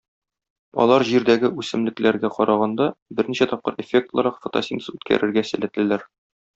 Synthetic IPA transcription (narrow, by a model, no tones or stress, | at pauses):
ɒ̰lˠɑɾʑiɾd̪æɡɘʔʉsɘ̆mlɘ̆klæɾɡæqɒɾɑʁɑnd̪ɑbɘɾniɕæt̪ɒp̚qɤɾefʲek̚t̪lˠɑɾɑqfŏt̪ɑ̰sʲinsʉt̪kʰæ̰ɾɘ̆ɾɡæsɘ̆læ̆t̪ɘ̆læɾ